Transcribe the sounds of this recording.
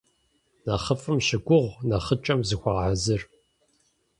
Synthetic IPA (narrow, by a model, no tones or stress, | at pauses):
nɐχəfɨmʃɪɡʷʊʁʷnɐχət͡ʃʼɐmzɨxʷaːʕazɨr